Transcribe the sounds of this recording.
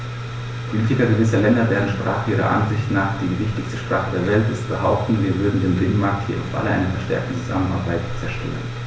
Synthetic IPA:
pʰoliːtɪkɐɡəvɪsɐlɛndɐvɛːʁn̩ʃpʁ̥a̰ːχəʔiːʁɐ̰ʔa̰nzɪçtnaːχd̥iːvɪçtɪçstəʃpʁ̥aːχədeːɐvɛltɪst̚b̥əhaʊp̚tn̩viːɐvʏɐdn̩deːnbɪnənmaɐk̚thiːɐʔa̰ʊfʔa̰ləʔa̰ɪnɐfɛɐʃtɛ̰ɐk̚tn̩t͡suza̰mənaɐbaɪtt͡sɛɐʃtʰø̰ːʁən

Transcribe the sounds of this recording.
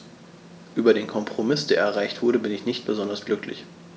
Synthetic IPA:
ʔyːbɐdeːnkʰɔmpʁ̥omɪsd̥eːɐɛɐʁ̞aɪçtv̥ʊɐɾəbɪnɪçnɪçt̚b̥əzɔndɐsɡ̥lʏklɪ̰ç

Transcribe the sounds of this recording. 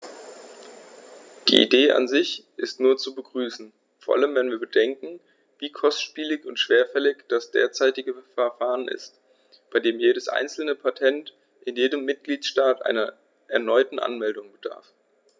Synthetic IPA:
d̥ḭːʔḭdeːʔa̰nzɪçʔɪstnuːɐt͡subəɡʁyːsn̩ | foːɐʔa̰ləmvɛnviːɐbədɛŋkŋ̩ | viːkʰɔstʃpiːlɪçʊntʃv̥eːɐfɛlɪçd̥asd̥ḛːɐt͡saɪtɪɡəfɛɐfaːʁənʔɪ̰st | b̥aɪdeːmjeːɾəsʔa̰ɪnt͡sl̩nəpʰatʰɛnt | ʔɪnjeːdəmːɪt̚ɡ̥liːtʃtaːtʔa̰ɪnɐ | ʔɛɐnɔʏtn̩ʔa̰nmɛldʊŋbəd̥a̰ɐf

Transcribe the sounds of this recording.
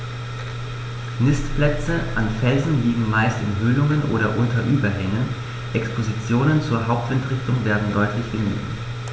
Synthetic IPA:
nɪstplɛt͡səʔanfɛlzn̩liːɡŋ̩maɪstɪ̰nɦʏlʊŋənʔo̰ːɾɐʔʊntɐʔyːbɐɦɛŋən | ʔɛkspʰozit͡sjoːnənt͡suːɐɦaʊp̚tv̥ɪntʁɪçtʊŋveːɐdn̩dɔʏtʰlɪçɡ̥əmy̰ː

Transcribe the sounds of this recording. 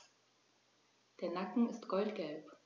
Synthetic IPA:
d̥eːɐnakŋ̩ɪstɡ̥ɔltɡ̥ɛlp

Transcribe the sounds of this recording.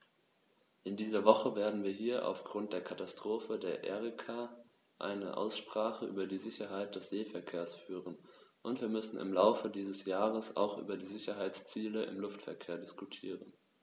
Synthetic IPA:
ʔɪndiːzɐvɔχəveːɐdn̩viːɐɦiːɐʔa̰ʊfɡ̥ʁʊnt̚d̥eːɐkʰatastʁ̥oːfədeːɐʔɛ̰ʁikʰa | ʔa̰ɪnə̰ʔa̰ʊsʃpʁ̥aːχəʔyːbɐdiːzɪçɐɦaɪt̚d̥ɛsz̥eːfɛɐkʰeːɐsfyːʁənʔʊntv̥iːɐmʏsn̩ɪ̰mlaʊfədiːzəsjaːʁəsa̰ʊxʔy̰ːbɐdiːzɪçɐɦaɪt͡st͡siːləɪ̰mlʊftfɛɐkʰeːɐdɪskutʰiːʁən

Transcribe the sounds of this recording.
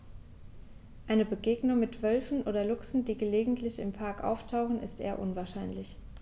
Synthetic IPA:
ʔaɪnəbəɡeːɡnʊŋmɪtv̥œlfn̩ʔoːdɐlʊksn̩diːɡəleːɡŋ̩tʰlɪçɪmpʰaɐkʔa̰ʊftʰaʊχn̩ɪ̰stʔḛːɐʔʊnvaːɐʃaɪnlɪç

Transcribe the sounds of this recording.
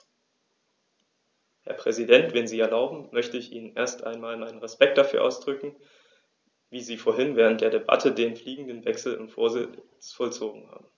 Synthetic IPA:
hɛ̰ɐpʁ̥ɛzidɛntv̥ɛnziːɛɐlaʊbm̩ːœçtəɪçʔiːnənʔḛːɐstʔa̰ɪnmaːlmaɪnənʁɛspɛk̚t̚d̥afyːɐʔa̰ʊsd̥ʁʏkŋ̩ | viːziːfoːɐɦɪnvɛːʁ̞ənt̚d̥eːɐɾeba̰tʰədeːmfliːɡŋ̩dənvɛksl̩ʊnfo̰ːɐzɪ | t͡sfɔlt͡soːɡŋ̩ha̰ːbm̩

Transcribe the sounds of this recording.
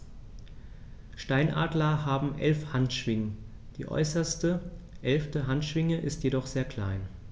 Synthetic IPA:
ʃtaɪnʔa̰ːdlɐɦaːbm̩ʔɛ̰lfhantʃv̥ɪŋə | d̥ḭːʔɔ̰ʏsɐstə | ʔɛlftəɦantʃv̥ɪŋəʔɪstjedɔχz̥eːɐkʰl̥a̰ɪn

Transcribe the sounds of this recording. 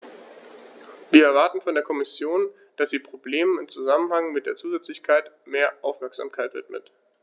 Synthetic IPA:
viːɐɛɐvaɐtn̩fɔndeːɐkʰɔmɪsjoːn | d̥asz̥iːpʁ̥obleːmənɪmt͡suzamənhaŋmɪt̚d̥eːɐt͡suːzɛt͡slɪçkʰaɪt | meːɐʔaʊfmɛɐkz̥a̰ːmkʰaɪtv̥ɪ̰tmə̰t

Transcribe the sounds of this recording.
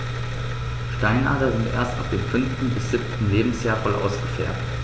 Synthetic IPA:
ʃtaɪnʔa̰ːtɐzɪntʔḛːɐsta̰fd̥eːmfʏnftn̩bɪsz̥ɪp̚tn̩leːbm̩sjaːɐfɔlʔa̰ʊsɡ̥əfɛ̰ɐpt

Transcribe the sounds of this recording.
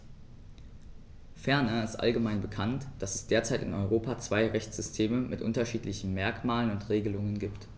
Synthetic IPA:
fɛɐnɐɪstʔa̰lɡəmaɪnbəkʰantd̥asɛsd̥eːɐt͡saɪtɪ̰nɔʏʁ̞oːpat͡sv̥aɪʁɛçt͡sz̥ʏstʰeːməmʔɪtʔʊ̰ntɐʃiːtlɪçn̩mɛɐkmaːlənʊntʁeːɡəlʊŋənɡiːpt

